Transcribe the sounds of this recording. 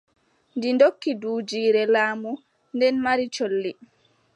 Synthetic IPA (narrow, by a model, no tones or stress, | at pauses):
ndindokːiduːd͡ʒiːɾɛlaːmu | ndɛnmaɾit͡ʃolːi